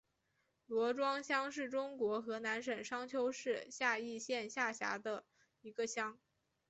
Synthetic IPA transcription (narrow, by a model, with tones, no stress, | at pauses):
lwɔ˧˥ʈ͡ʂwɑ˥ŋɕjɑ˥ŋʂɻ̩˥˩ʈ͡ʂʊ˥ŋkwɔ˧˥xɤ˧˥na˧˥nʂə˨˩nʂɑ˥ŋt͡ɕʰjo˥ʊʂɻ̩˥˧ɕja˥˧i˥˧ɕjɛ˥˧nɕja˥˩ɕja̰˧˥d̪ə˧ | i˧˥ɡə˧ɕjɑ˥ŋ